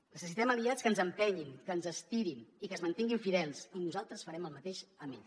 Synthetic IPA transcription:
nəsəs̬it̪ɛməliat͡skənzəmpɛɲinkənzəst̪iɾinikəzmənt̪iŋɡiɱfiðɛlˠsinuzalˠt̪ɾəsfəɾɛməlˠmət̪eʃəmḭ

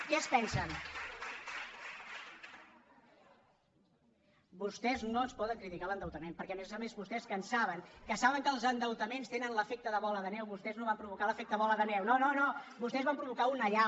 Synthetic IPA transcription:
kɛəspɛnsən | bust̪ɛznoənspɔðəŋkɾit̪ikalənd̪əwt̪əmempəɾkɛəmezəmezβust̪ɛskənsaβ̞əŋkəsaβəŋkəlˠzənd̪əwt̪əmenst̪enənləfek̚t̪əðəβɔləðənɛwβust̪ɛznoβampɾuβ̞ukaləfek̚t̪əβɔləðənɛwnononobust̪ɛzβampɾuβukaunəʎa

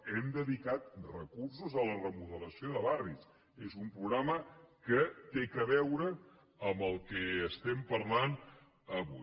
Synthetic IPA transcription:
ɛmd̪əðikat̪̚rəkursuzələrəmuðələsioðəβaris | ezumpɾuɣɾaməkət̪ekəβɛwɾə | əmbəlˠkɛːst̪ɛmpəɾlan | əβu

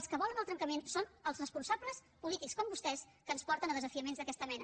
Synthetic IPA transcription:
skəβɔlˠənəlˠt̪ɾəŋkəmensonəlˠzrəspunsabləs | pulit̪ikskɔmbust̪ɛs | kəːnspɔɾt̪ənəðəzəfiəmenzðəkɛst̪əmɛnə

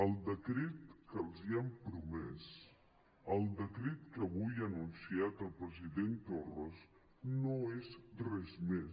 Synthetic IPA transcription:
əlˠd̪əkɾet̪kəlˠziampɾumɛs | əlˠd̪əkɾet̪̚kəβujənunsiat̪əlˠpɾəziðent̪orəz | noezrɛzme

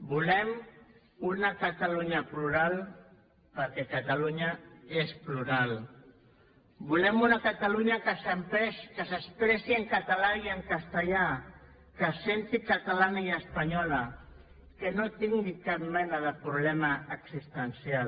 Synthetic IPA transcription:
bulɛm | unakat̪aluɲapluɾal | pəɾkɛkat̪aluɲaespluɾal | bulɛmunakat̪aluɲakəsəmpɾɛskəsəspɾɛsiəŋkat̪alaiəŋkast̪əʎa | kəsent̪ikat̪alanaiəspaɲɔla | kənot̪iŋɡikap̚mɛnaðəpɾuβlɛmaːksist̪ənsial

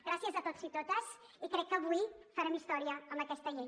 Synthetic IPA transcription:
ɡ̥ɾasiəzət̪ot̪zit̪ot̪əz | ikɾɛkːəβujfəɾɛmist̪ɔɾiəəmbəkɛst̪əʎej

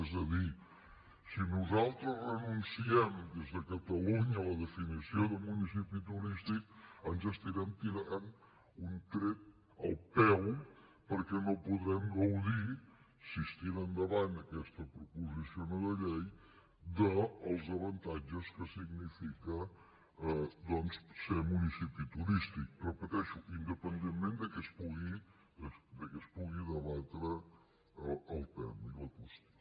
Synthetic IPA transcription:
ɛzəði | sinuzalˠt̪ɾəzrənunsiɛmd̪ezðəkət̪əluɲələðəfinisioðəmunis̬ipit̪uɾist̪ik̚ənzəst̪iɾɛmt̪iɾaɾan | unt̪ɾɛt̪̚ | ə̰lˠpɛw | pəɾkɛnopuðɾɛmɡəwði | sist̪iɾənd̪əβanəkɛst̪əpɾupuzisionəðəʎej | d̪əːlˠzəβənt̪ad͡ʒəskəsiɡnifikə | d̪ɔnssemunisipit̪uɾist̪ik̚rəpət̪ɛʃuʔind̪əpənd̪emmend̪əkɛspuɣi | əd̪əkəspuɣiðəβat̪ɾə | lˠpɛ̰wiləkust̪

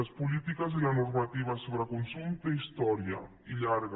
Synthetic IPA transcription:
espulit̪ikazelanurmat̪iβasoβɾakunsunt̪eist̪ɔɾja̰ | iʎaɾɣ

